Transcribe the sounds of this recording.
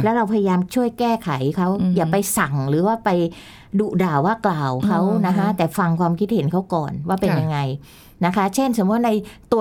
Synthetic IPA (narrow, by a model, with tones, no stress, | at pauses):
lɛ˦˥ɾa˧wpʰa˧ja˧jaː˧mt͡ɕʰu˥˩əjkɛː˥˩kʰa˨˩˦jkʰa˦˥wjaː˨˩pa˧jsa˨˩ŋɾɯː˩˦waː˥˩pa˧j | du˨˩daː˨˩wːaː˥˩klaː˨˩wkʰa˦˥wna˦˥kʰa˦˥t̪ɛː˨˩fa˧ŋkʰwaː˧mkʰi˦˥t̪̚he˩˦nkʰa˦˥wkɔː˨˩nwaː˥˩pe˧nja˧ŋːa˧j | na˦˥kʰa˦˥t͡ɕʰe˥˩nso˨˩˦mu˦˥˩t̚na˧jt̪u˧